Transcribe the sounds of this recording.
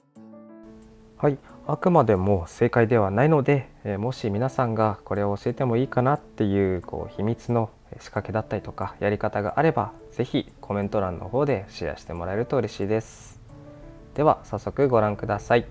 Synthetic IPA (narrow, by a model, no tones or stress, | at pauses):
haiakɯ̟mad̪e̞mo̞se̞ːkaid̪e̞β̞anaino̞d̪e̞mo̞ɕimʲinasãŋɡako̞ɾe̞oːɕie̞t̪e̞mo̞iːkanat̪ːe̞jɯ̟ːkʰo̞̰ːçimʲit͡sɨno̞ | ɕi̥kake̞d̪at̪ːaɾʲi̥t̪o̞kajaɾʲikat̪aɡa̰ʔaɾe̞ba | z̥e̞çi | kʰo̞mẽ̞nt̪o̞ɾãnːʔo̞̰ho̞ːd̪e̞ɕiɾa̰ɕi̥t̪e̞mo̞ɾaeɾɯt̪o̞ɯ̟ɾe̞ɕiːd̪e̞sɨ̥ | d̪̥e̞β̞asasːo̞kɯ̟ɡo̞ɾãŋkɯ̟d̪asai